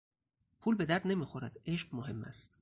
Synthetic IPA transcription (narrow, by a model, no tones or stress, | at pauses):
pʰuːlbe̞d̪æɾd̪ne̞miːxoɾæd̪e̞ʃɢmoɦe̞mːæ̰st̪